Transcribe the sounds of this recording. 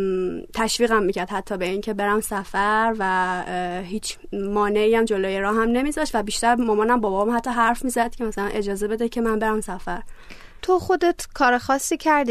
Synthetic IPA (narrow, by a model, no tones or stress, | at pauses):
t̪ʰæʃviːɣæmːiːcʰæɾd̪̥hæt̪ʰːɒːbe̞iːŋcʰe̞be̞ɾæmsæfæɾvæ | hiːt͡ʃʰ | mɒːneiːjæmd͡ʒoloːjeɾɒːɦæmne̞miːzɒːʃt̪væbiːʃt̪æɾmomɒːnæmbɒːbɒbmumhæt̪ʰːɒːɦæɾfmiːzæd̪̚cʰe̞mæsælænʔe̞d͡ʒɒːze̞be̞d̪ecʰe̞mænbe̞ɾæmsæfæɾ | t̪ʰo̞xo̞d̪et̪ʰkʰɒːɾexɒːsːiːcʰæɾd̪i